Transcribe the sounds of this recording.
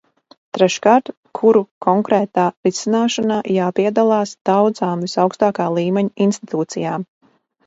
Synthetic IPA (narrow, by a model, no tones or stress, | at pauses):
t̪ɾɛʃkaːɾt̪ | kʰuɾukʰɔŋkɾɛːt̪aːɾisinaːʃanaːʔjaːpiɛd̪alˠɑːsd̪̥awd̪zaːmvisawkst̪aːkaːlˠiːmɛɲinst̪it̪uːt̪sijaːm